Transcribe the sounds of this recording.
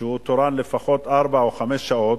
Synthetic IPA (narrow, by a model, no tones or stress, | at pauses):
ehut̪oɾanlefaxot̪ʔaɾˤbaawuxamesʃaʔot̪